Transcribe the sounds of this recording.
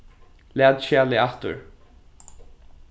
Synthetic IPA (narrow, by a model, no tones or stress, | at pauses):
læːd̪ʃaːlɪaht̪ʊ̰ɹ